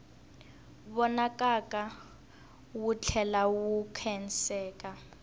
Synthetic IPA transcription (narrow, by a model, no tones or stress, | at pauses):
βɔnakʼakʼa | wut͡ɬʰɛlawukʰɛn̩sɛːkʼa